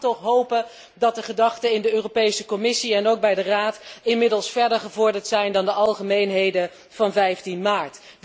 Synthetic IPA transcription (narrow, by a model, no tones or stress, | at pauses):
tɔχɦowpə | dɑt̚dəχədɑχtəɪndəøːropejsəkɔmɪsiɛnowk̚bɛjdəraːtɪnmɪdəlˠsfɛɹdəɹχəvʊɹdəɹtsɛjndɑndəɑlˠχəmejnɦejdə | v̥ɑnvɛjftinmaːɹt